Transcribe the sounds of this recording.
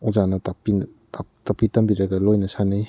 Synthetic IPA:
uzanɐtapin | atapitɐmbiɾɐɡɐlojnɐsanij

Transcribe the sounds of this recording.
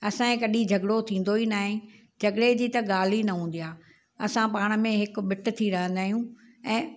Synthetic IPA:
ɐsãẽkɐɗĩd͡ʑʱɐɡɽot̪ʰĩːn̆d̪oinaːɦɪ̃ | d͡ʑʱɐɡɽed͡ʑiːt̪ɐɠaːl̤inɐɦũːn̆d̪ijaː | ɐsãpaːɽ̃̆mẽɦɪk̆ɓɪʈʊ̆t̪ʰiɾɐɦə̃nd̪aːɦijũɛ̃ː

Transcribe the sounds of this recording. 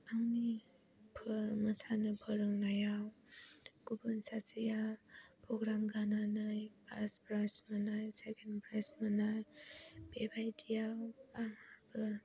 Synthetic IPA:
aŋni | pʰməsanɯpʰəɾɯŋnajaw | kubɯnsasijapʰɾoɡɾamɡananajpʰaspɾasmanajsekʰenpɾajsmənajbebajdijawaŋabɯ

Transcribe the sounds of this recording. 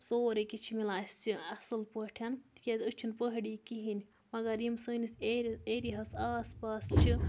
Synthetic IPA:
soːɾekit͡ʃʰimilaːsʲt͡siɐsɨlpəʈʰɐnt̪i̥kʲazʲɨt͡ʃʰinpəɦɖiːkiɦinʲ | mɐɡɐɾimsəːniseɾieɾiɦɐsaːspaːst͡ʃʰi

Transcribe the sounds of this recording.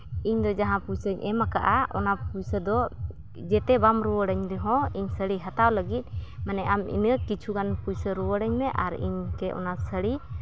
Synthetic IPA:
iɲd̪ɔd͡ʒaɦãpujsəɲʔɛmakaʔaɔ̰napujsəd̪ɔ | d͡ʒɛt̪ɛbamɾuwəɽəɲd̪ɛɦɔ̃iɲsəɽiɦat̪awləɡit̪̚ˀmanɛʔamḭnəkit͡ʃʰuɡanpujsəɾuwəɽəɲmɛʔaɾḭɲkɛʔɔ̰nasəɽi

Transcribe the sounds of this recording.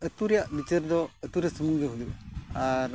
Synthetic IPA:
ət̪uɾjaʔbit͡ʃəɾd̪ɔət̪uɾjasəmuŋɡəɦud͡ʒuaɾ

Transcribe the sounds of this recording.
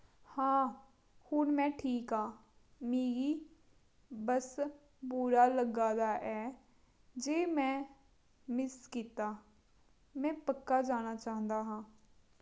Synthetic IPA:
hãː | hʊnmɛ̃ːʈʰiːkaː | meːɡiː | bəs | buːɾaːləɡaːd̪aːʔɛː | d͡ʒeːmɛ̃ː | mɪskiːt̪aː | mɛ̃ːpəkːaːd͡ʒaːnaːt͡ʃaːɦə̃nd̪aːɦãː

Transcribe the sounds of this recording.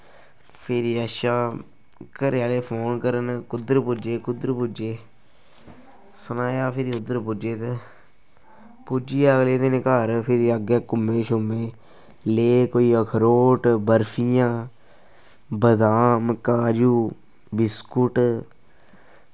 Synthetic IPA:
pʰɪɾiəʃaː | kəɾjaːleːpʰoːnkəɾənkʊd̪əɾpʊd͡ʒeːkʊd̪əɾpʊd͡ʒeː | sənaːjaːpʰɪɾiʊd̪əɾpʊd͡ʒeːt̪e | pʊd͡ʒiːəɡleːt̪enekaːɾpʰɪɾiəɡeːkʊmːẽːʃʊmẽː | leːkoːiːəkʰəɾoːʈbəɾpʰijãː | bəd̪aːmkaːd͡ʒuː | bɪskʊʈ

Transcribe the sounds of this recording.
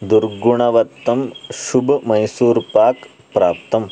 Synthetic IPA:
d̪uɾɡuɳ̃ɐʋɐt̪ːɐmʃubʱmɐjsuːɾpaːk | pɾaːpt̪ɐm

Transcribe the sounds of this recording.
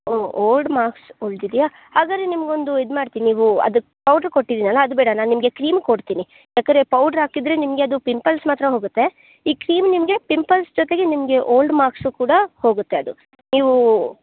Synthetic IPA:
oːoːlɖmaːɾksoːɭd̪id̪ija | haːɡaːd̪ɾenimɐɡeo̞nd̪uid̪maːɖt̪iːniniːʋuɐ̰d̪u | pɐwɖɐɾkoʈːid̪inɐlːɐːɐd̪ubɛːɽɐnaːnnimɐɡe̞kɾiːmkoɽt̪iːni | jaːkɐnd̪ɾepɐwɖɐɾɦaːkid̪ɾe̞nimɐɡeɐd̪upimpɐlsmaːt̪ɾɐɦoːɡut̪ːe̞ | iːkɾiːmnimɐɡe̞pimpɐlsd͡ʒɔt̪e̞ɡe̞nimɐɡe̞ʔoːlɖmaːɾksukuːɽɐho̞ːɡut̪ːeɐd̪u | niːʋu

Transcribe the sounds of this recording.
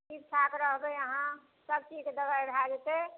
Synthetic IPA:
ipsʰakɾəɦbeəɦã | səb̚t͡ʃid͡ʒked̪əbajɖʱad͡ʒet̪e

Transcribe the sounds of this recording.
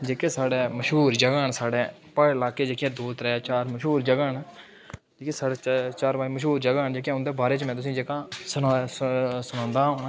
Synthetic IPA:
d͡ʒeːkeːsaːɽeːməʃɦuːɾd͡ʒəɡaːɳsaːɖeː | pəɪlaːkeːd͡ʒeːkɪjãːd̪oːt̪ɾɛːaːt͡ʃaːɾməʃɦuːɾd͡ʒəɡaːn | d͡ʒeːkeːsaːɖeːt͡ʃaːɾãːməʃɦuːɾd͡ʒəɡaːnd͡ʒeːkjãʊnd̪eːbaːɾeːt͡ʃmɛ̃ːt̪ʊs̬ĩːd͡ʒeːkãːsʊna | sʊnãːnd̪aːɦõː

